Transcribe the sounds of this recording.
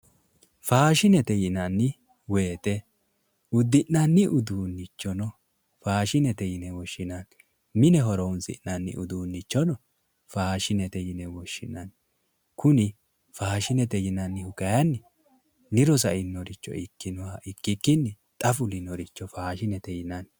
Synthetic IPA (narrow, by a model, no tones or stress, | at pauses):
faːʃɪnɛt̪ɛjɪnɐnːɪ | weːt̪ɛ | ʊd̪ːɪʔnɐnːɪʔʊd̪uːnːɪt͡ʃːɔnɔ | faːʃɪnɛt̪ɛjɪnɛwɔʃːɪnak | mɪnɛɦɔɾɔʊnsɪ̰nnɐnːɪ̰ʔʊd̪uːnːɪt͡ʃːɔnɔ | faːʃɪnɛt̪ɛjɪnɛwɔʃːɪnɐn | kʊnɪ | faːʃɪnɛt̪ɛjɪnɐnːɪhʊkɐjɐnːɪ | nɪɾɔs̬ɐɪnːɔɾɪt͡ʃːɔ̰ɪkːɪnɔwaʔɪkːɪkːɪnːɪ | t̪ʼɐfʊlɪnːɔɾɪt͡ʃːɔfaːʃɪnɛt̪ɛjɪnɐn